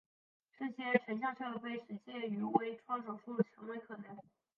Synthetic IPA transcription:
ʈ͡ʂɤ˥˩ɕjɛ˥ʈ͡ʂʰə˧˥nɕ̬jɑ˥˧ʂʰɤ˥˧pe˥˩ɪʂɻ̩˧˥ɕjɛ˥˩y˧˥we˧˥ɪʈ͡ʂʰwɑ˥ŋʂo˨˩ʊʂu˥˩d̪ə˩t͡ɕʰɑ˧˥ŋlwe˧˥ɪkʰɤ˨˩nɤ˧˥ŋ

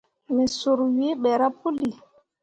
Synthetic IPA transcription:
mɛ˨su˨ɾwi˦ɓɛ˨ɾa˦pu˦li˨

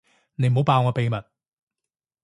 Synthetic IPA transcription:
ne˨˧jm̩˨˩˨o˨˥wpaː˧wŋɔː˧pe˨˧jmɐ˨˩t̚

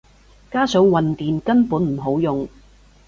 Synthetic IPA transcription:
kaː˥sœː˨˥ŋwɐ˨nt̪iː˨nkɐ˥npuː˨˥nm̩˨˩ɦo˨˥wjʊ˨ŋ

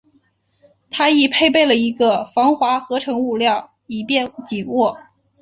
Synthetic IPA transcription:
t̪ʰa˥i˨˩pʰe˥˧ɪpe˥˩ɪlə˩i˧˥ɡə˧fɑ˧˥ŋxwa˧˥xɤ˧˥ʈ͡ʂʰɤ˧˥ŋu˥˧ljɑ˥˩ʊ | i˨˩pjɛ˥˧nt͡ɕi˨˩wɔ˥˩

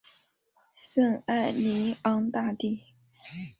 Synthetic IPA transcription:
sə˥˧ŋa˥˩ɪli˧˥ɑ˥ŋt̪a˥˧t̪i˥˩

